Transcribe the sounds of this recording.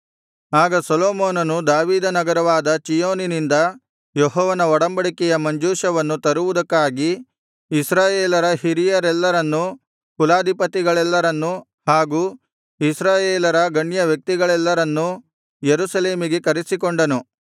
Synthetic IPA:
aːɡɐsɔloːmoːnɐnud̪aːʋiːd̪ɐnɐɡɐɾɐʋaːd̪ɐt͡ʃijoːninind̪ɐ | jɔɦɔːʋɐnɐɔɽɐmbɐɽikɛjɐmɐɲd͡ʒuːʃɐʋɐnːut̪ɐɾuʋud̪ɐkːaːɡiː | sɾaːjeːlɐɾɐɦiɾijɐɾɛlːɐɾɐnːu | kulaːd̪ʱipɐt̪iɡɐɭɛlːɐɾɐnːu | haːɡuː | isɾaːjeːlɐɾɐɡɐɳjɐʋjɐk̚t̪iɡɐɭɛlːɐɾɐnːu | jeɾusɐle̞ːmiɡe̞kɐɾisikoɳɖɐnu

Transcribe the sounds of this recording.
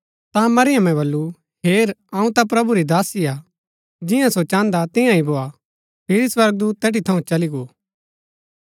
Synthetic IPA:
t̪amɐɾɪjəmɛ̃bɐlːu | heːɾɐũt̪ap̬ɾɐbuɾid̪aːsia | d͡ʒɪjãsot͡ʃãːnd̪at̪ɪjãĩboːa | pʰɪɾiswɐɾɡ̚d̪uːt̪ːɛːʈit̪ʰɐũt͡ʃɐliɡoː

